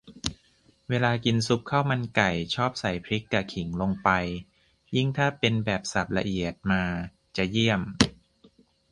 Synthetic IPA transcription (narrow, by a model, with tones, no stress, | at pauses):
weː˧laː˧ki˧nsu˦˥p̚kʰa˥˩wma˧nka˨˩jt͡ɕʰɔː˥˩p̚sa˨˩jpʰɾi˦˥kːa˨˩kʰi˩˦ŋlo˧ŋpa˧j | ji˥˩ŋt̪ʰaː˥˩pe˧nbɛː˨˩p̚sa˨˩p̚la˧ʔi˨˩ət̪̚maː˧ | t͡ɕa˨˩ji˥˩əm